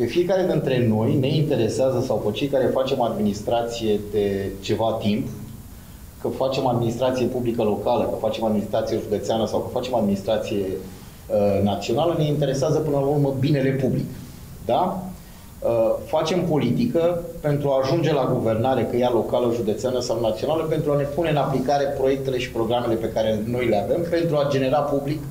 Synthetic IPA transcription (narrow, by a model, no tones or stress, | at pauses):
pefije̞kaɾe̞d̪int̪ɾe̞no̞jne̞int̪e̞ɾe̞seazəsawpət͡ʃe̞jkaɾe̞fat͡ʃe̞mad̪minist̪ɾat̪sije̞d̪e̞t͡ʃe̞vat̪imp | kəfat͡ʃe̞mad̪minist̪ɾat̪sije̞publikəlo̞kaləkəfat͡ʃe̞mad̪minist̪ɾat̪sijeʒud̪e̞t̪seanəsawkəfat͡ʃe̞mad̪minist̪ɾat̪sije̞ | ənat̪sio̞naləne̞int̪e̞ɾe̞seazəpɨnəlaurməbine̞le̞publik | d̪a | əfat͡ʃe̞mpo̞lit̪ikəpe̞nt̪ɾuaːʒund͡ʒe̞laɡuve̞rnaɾe̞kəjalo̞kaləʒud̪et̪seanəsawnat̪sio̞naləpe̞nt̪ɾuane̞pune̞ɨnaplikaɾe̞pɾo̞je̞k̚t̪e̞le̞ʃi̥pɾo̞ɡɾamele̞pe̞kaɾe̞no̞jle̞ave̞mpe̞nt̪ɾuad͡ʒe̞ne̞ɾapublik